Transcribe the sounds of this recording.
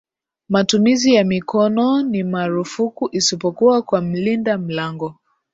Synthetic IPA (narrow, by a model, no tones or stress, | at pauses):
matumizijamikɔnɔnimaɾufukuʔisipɔkuakwam̩lindam̩laŋɡɔ